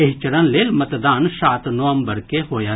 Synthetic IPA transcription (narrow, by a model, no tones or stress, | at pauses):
eɦt͡ʃəɾənleːlmət̪d̪aːnʃaːt̪noəmbəɾkeɦoːjaː